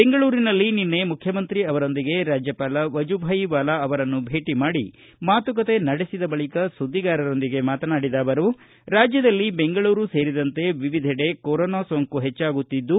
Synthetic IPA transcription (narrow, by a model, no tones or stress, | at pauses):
beŋɡɐɭuːɾinɐlːininːe̞mukʰjɐmɐnt̪ɾiɐʋɐɾo̞nd̪iɡe̞ɾaːd͡ʒjɐpaːlɐʋɐd͡ʒubʱɐjiʋaːlɐɐʋɐɾɐnːubʱe̞ːʈimaːɽḭ | maːt̪uk̬ɐt̪e̞nɐɽesid̪ɐbɐɭikɐsud̪ːiɡaːɾɐɾo̞nd̪iɡe̞maːt̪ɐnaːɽid̪aːʋɐɾu | ɾaːd͡ʒjɐd̪ɐlːibe̞ŋɡɐɭuːɾuse̞ːɾid̪ɐnt̪e̞ʋiʋid̪ʱiɽe̞koɾoːnaːsoːŋkuɦet͡ʃːaːɡut̪ːid̪ːu